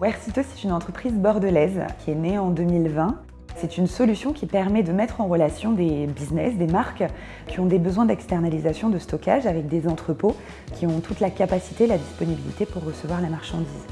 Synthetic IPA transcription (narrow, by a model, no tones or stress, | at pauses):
wɛʁsit̪osɛ̥t̪ynɑ̃t̪χəpχizbɔʁd̪əlɛzkʲʰiɛneɑ̃d̪ømilvɛ̃ | sɛt̪ynsɔlysjɔ̃kʲipɛʁmɛd̪əmɛt̪χɑ̃ʁəlasjɔ̃d̪ebiznɛsd̪emaʁk | kʲiɔ̃d̪ebəzwɛ̃d̪ɛkst̪ɛʁnalizasjɔ̃d̪əst̪ɔka̰ʒavɛk̚d̪ezɑ̃t̪χəpo | kʲiɔ̃t̪ʰut̪lakapasi̥t̪eːlad̪ispɔnibilḭt̪epuʁːəsəvwaʁlamaʁʃɑ̃d̪iz